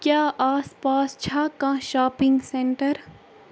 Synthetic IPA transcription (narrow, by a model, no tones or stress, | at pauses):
kjaːʔaːspaːst͡ʃʰaːkãʃaːpɪ̃ŋɡsẽɳʈəɾ